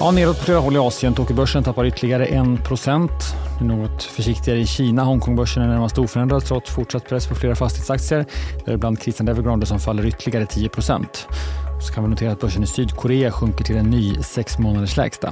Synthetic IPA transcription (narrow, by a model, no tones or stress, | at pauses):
jɑːneːɾɔt̪pʰɔfleːɾaɦɔlːɪɑːsɪənt̪ʰoːkəbœʂːənt̪ʰapːaɾʏt̪ːəlɪɡaɾəʔɛnpʰɾʊsɛnt̪d̪ɛɳoːɡɔt̪fœʂɪkt̪ɪɡaɾəɪɕiːnaɦɔŋkʰɔŋbœʂːəɳɛɳæɾmast̪əuːfœɾɛnd̪ɾad̪t̪ʰɾɔt̪ːfʊʈʂat̪ːpʰɾɛsːpʰɔfleːɾafast̪ɪheːt̪sak̚t̪sɪəɾd̪æɾɪbland̪̚kʰɾɪst̪and̪ɛvəɾɡɾɔnd̪əsɔmfalːəɾʏt̪ʰːəlɪɡaɾət̪ʰiːjəpʰɾʊsɛ̰nt̪ɔsɔ̥kʰanvɪnʊt̪ʰeːɾat̪̚bœʂːənɪsyːd̪kʰʊɾeːaɧɵŋkəʈʰɪlɛnːyːsɛksmoːnad̪əʂlɛ̰ːɡst̪a̰